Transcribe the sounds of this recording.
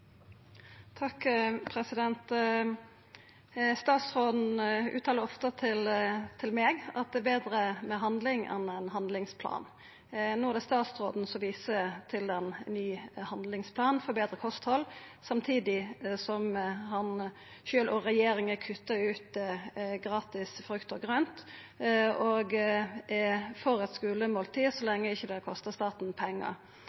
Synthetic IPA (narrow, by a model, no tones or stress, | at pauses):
t̪ʰɑkpʰɾɛsɪd̪ɛnt̪ | st̪ɑːt̪sʁoːd̪n̩ʔʉ̰ːt̪ʰɑːləɾɔft̪ət̪ʰɪlt̪ʰɪlmeːɡɑt̪̚d̪ɛːbeːd̪ɾəmɛɦɑnd̪lɪŋɛ̰nɛnɦɑnd̪lɪŋspʰlɑ̰ːn | noːd̪æst̪ɑːt̪sʁoːd̪n̩sɔʋiːsət̪ʰɪlɛnːyːhɑnd̪lɪŋspʰlɑːnfɔbeːd̪ɾəkʰɔst̪hɔlːsɑmt̪ʰiːd̪ɪsɔmhɑn | ʃøːlʔɔʁɛjeːɾɪŋəkʰʉt̪ːəʉːt̪ɡɾɑːt̪ɪsfɾʉkt̪ɔɡɾœnt̪ | oːɡɛfɔɾɛt̪skʉːləmoːlt̪ʰiːsɔlɛŋːəɪçːəd̪ɛkʰɔst̪əst̪ɑːt̪n̩pʰɛŋːə̰